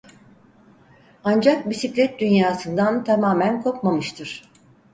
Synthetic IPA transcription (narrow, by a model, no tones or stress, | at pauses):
and͡ʒak̚bisiclʲɛt̪̚d̪ynjaːsɯnd̪ant̪ʰamaːmænkʰo̞k̚mamɯʃt̪ʰɯɾ̥